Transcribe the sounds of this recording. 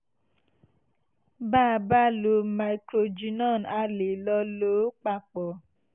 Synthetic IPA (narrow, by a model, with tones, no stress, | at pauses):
baː˦˨ba˦lo˧ma˨i˨kɾo˧d͡ʒi˨˦nɔ˦˨na˧le˨lɔ˧lo˨˦k͡pa˦k͡pɔ˨